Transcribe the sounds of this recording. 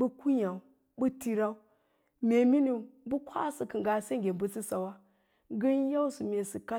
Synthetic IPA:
bu˦ku˦ɲa˨u˨ | bu˦ti˦ɾa˦u˦ | mʲe˨mi˦ni˨bu˦kʰʷa̰˦sɨ˨kɨ˨ŋɡa˨se˦ŋ˨ɡʲe˨bu˦t͡si˦sa˨wa˦ | ɡə˦n˦ja˦u˦su˨mʲe˨sɨ˨ka˦

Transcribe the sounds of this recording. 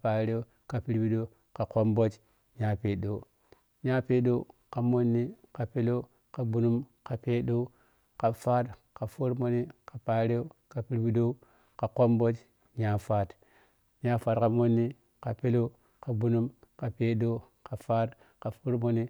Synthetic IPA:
pa˨ɾe˦o˦ | ka˨pi˦ɾbi˦ɗo˦ | ka˨ko˦mbo˦t͡ʃ | ɲa˦pe˨ɗo˨˦ | ɲa˦pe˦ɗo˦ka˨mo˦nːi˦ka˨pe˦lo˦ | ka˨bu˦nu˦mka˨pe˦ɗo˦ | ka˨faː˦t | ka˨fu˦ɾmo˦ni˦ka˨pa˨ɾe˦o˦ka˨pi˦ɾbi˦do˦ | ka˨ko˦mbo˦t͡ʃ | ɲa˦fa˦t | ɲa˦fa˨tka˨mo˦nːi˦ | ka˨pe˦lo˦ | ka˨bu˦nu˦m | ka˨pe˦ɗo˦ | ka˨fa˦t | ka˨fu˦ɾmo˦ni˦

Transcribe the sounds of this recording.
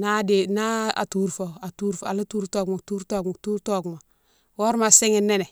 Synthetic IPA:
na˦de˨na˦a̰˨tu˦ɾfo˨a˨tu˦ɾfa̰˨la˦tu˦ɾto˦˨ɡmo˨tu˦ɾto˦˨ɡmo˨tu˦ɾto˦˨ɡmo˨ | wo˦ɾma˨si˦ŋe˦nːe˦ne˨

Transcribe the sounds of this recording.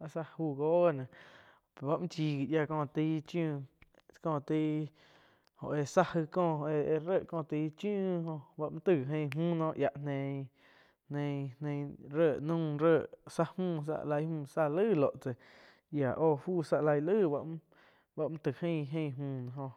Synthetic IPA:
a˧sa˧huː˧˨ɡoː˦˨nã˨ | pba˧ʔmĩ˦t͡ʃiː˧ɡi˨ʔja˧˨kɔ̃ː˧˨t̪i˧˦t͡ʃjũ˦˧˨ | kɔ̃ː˧˨t̪iː˧˦ | hõ̰˨ʔe˧sa˦hɨ˧kɔ̃ː˧e˧e˧ɾə˦˨ʔkɔ̃ː˧˨t̪iː˧˦t͡ʃjũː˦hõ˧ʔba˧ʔmã˦t̪ɨ˧˨ɦẽ˧˨˧ɦmũː˦˨nɔ̃ː˦˧ʔja˨ʔnẽ˧ | hnẽ˧nnẽ˧ɾəː˧˨ʔnũː˦˧ɾəː˧˨ʔsa˦hmũː˦˨s̬a̰˧ʔla˧jhmũː˧˨sa˧lɨː˦˨lo˨ʔt͡se˨ | ja˨ʔoː˦˧˨fuː˦˨sa˧ʔla˧jlɨː˦˨ba˧ʔ | ba˧ʔmũ˦t̪ɨ˨hẽ˦˧˨ɦẽ˧˨˧mũː˧˨nã˧ɦõ˧

